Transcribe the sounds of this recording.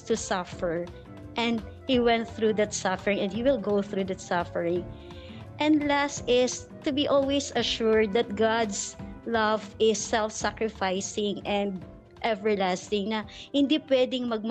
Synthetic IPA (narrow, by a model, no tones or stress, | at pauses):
t̪usɐfɛɹ | ʔɛ̃nd̪̚ | hiwɛ̃nt̪̚θɹud̪ɐt̪sʌfɛɹɪ̃ŋɛ̃nd̪hiwɪlɡowθɹud̪ɐt̪sɐfəɹɪ̃ŋ | ʔɛ̃nd̪last̪ɪs | t̪ʊbiʔɔlwejsɐʃuɹd̪̚ːɐt̪̚ɡad̪slʌvɪsːɛlfsakɹɪfajsɪ̃ŋʔɛ̃nd̪̚ | ʔɛvɛɹlast̪ɪ̃ŋnɐhɪ̃nd̪ipwɛd̪ɪŋmɐɡ̚m